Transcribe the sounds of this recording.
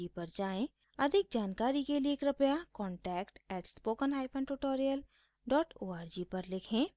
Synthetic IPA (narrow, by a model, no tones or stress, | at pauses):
ipɐɾd͡ʒaːẽ | ɐd̪ʱɪk̚d͡ʒaːnkaːɾikelieːkɾɐpjakɔ̃ːɳʈɛːkʈɛːʈspoːkənɦaːɪpʰə̃nʈuʈoːɾijəl | ɖɔːʈoːaːɾd͡ʒipɐɾlɪkʰẽː